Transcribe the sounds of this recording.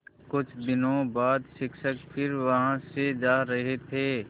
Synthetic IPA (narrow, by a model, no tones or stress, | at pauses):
kʊt͡ʃʰd̪ɪnõbaːd̪ʃɪkʃəkpʰɪɾʋɐɦãsed͡ʒaːɾəɦet̪ʰeː